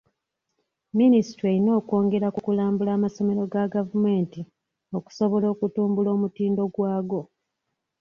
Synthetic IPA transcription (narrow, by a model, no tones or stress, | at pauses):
minisi̥teɾino̞ːko̞ːŋɡeɾakukulaːmbulaːmaso̞me̞ɾo̞ɡaɡavume̞ːnti | o̞ku̥so̞βo̞lo̞ːkutuːmbulo̞ːmutiːndo̞ɡwaːɡo̞